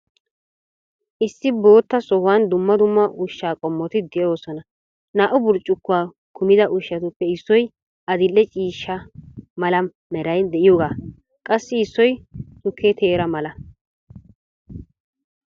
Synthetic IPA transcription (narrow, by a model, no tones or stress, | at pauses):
ʔɪsːɪbo̞ːt̪ːɐsɔhʊwɐnd̪ʊmːɐd̪ʊmːɐʔʊʃːaːkʼɔmːɔt̪ɪd̪ɛjo̞ːsɔnɐ | naːʔʊbʊɾt͡ʃʼːʊkːʊaː | kʰʊmɪd̪ɐʔʊʃːɐt̪ʊpːɛɪsːɔj | ɐd̪ɪlːɛt͡ʃʼiːʃːɐmɐlɐm | mɛɾɐjnd̪ɛʔɪjoːɡaː | kʼɐsːɪɪsːɔjsʊkʰːet̪ʰeːɾɐmɐlɐ